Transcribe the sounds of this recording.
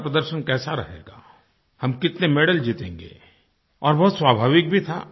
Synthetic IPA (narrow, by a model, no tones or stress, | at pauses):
pɾəd̪əɾʃənkɛːsaɾɐɦḛːɡa̰ː | hɐmkɪt̪nemeːɽəld͡ʒiːt̪ẽːŋɡḛː | ɔːɾbɔɦʊt̪swaːbʱaːʋɪk̚bʱit̪ʰa̰ː